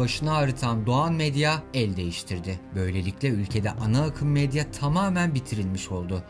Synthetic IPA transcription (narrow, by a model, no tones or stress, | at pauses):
aʃɯnaːɾɯt̪ʰand̪oanmed̪jaɛlʲd̪e̞jiʃt̪ʰiɾd̪ɪbø̞jlʲe̞lʲiclʲɛylʲcʰe̞d̪ɛʔanaːkʰɯmːed̪jat̪ʰamaːmænbit̪ʰiɾilʲmiʃo̞lˠd̪ʊ